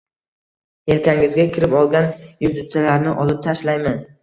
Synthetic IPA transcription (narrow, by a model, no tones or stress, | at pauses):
e̞lkʲaŋɪzɡʲakʲʰɪɾɪpɒlˠɡʲanjʊd̪ʊt͡ʃʰalaɾnɪʔɒlˠɪp̚t̪ʰaʃlajman